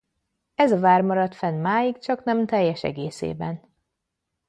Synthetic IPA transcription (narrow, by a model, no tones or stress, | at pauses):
ɛzɒvaːrmɒɾɒt̪fɛnmaːjikt͡ʃɒknɛmt̪ɛjːɛʃɛ̰ɡḛːsḛːbɛn